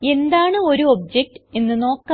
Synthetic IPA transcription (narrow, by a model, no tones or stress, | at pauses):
e̞nd̪aːɳɨo̞ɾuob̚d͡ʑek̚ʈɨe̞nːɨno̞ːkː